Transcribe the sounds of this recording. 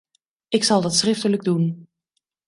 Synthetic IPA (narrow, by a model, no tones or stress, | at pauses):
ɪksɑlˠdɑtsrɪftələɡ̚dun